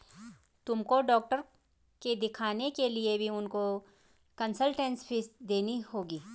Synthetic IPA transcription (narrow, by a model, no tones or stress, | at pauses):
t̪ʊmkoɖɔːk̚ʈəɾ | ked̪ɪkʰaːnekeliebʱiʊnko | kɐnsəlʈɛ̃nspʰɪsd̪eːnihoːɡiː